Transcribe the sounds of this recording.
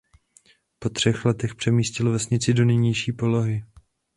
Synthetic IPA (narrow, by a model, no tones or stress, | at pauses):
po̞t̪r̝̥ɛxlɛt̪ɛxpr̥ɛmiːscɪlvɛsɲɪt͡sɪdo̞nɛjɲɛjʃiːpo̞lo̞ɦɪ